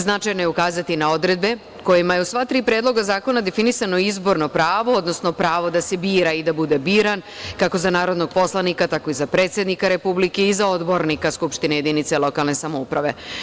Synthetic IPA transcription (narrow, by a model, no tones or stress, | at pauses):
znat͡ʃajnojeukaːzat̪inao̞d̪ɾe̞d̪be̞ | ko̞jimajeusʋat̪ɾiːpɾe̞ːd̪lˠo̞ɡazaːko̞nad̪e̞finisano̞izbo̞ɾno̞pɾaːʋo̞od̪no̞sno̞pɾaːʋo̞d̪ase̞biːɾaid̪abud̪e̞biːɾan | kako̞zanaːɾo̞d̪no̞ɡ̚po̞slˠanikat̪ako̞izapɾe̞ːt̪sje̞d̪nikaɾe̞publike̞izao̞d̪bo̞ɾnikaskupʃt̪ineje̞d̪init̪selo̞kalˠne̞samoupɾaʋe̞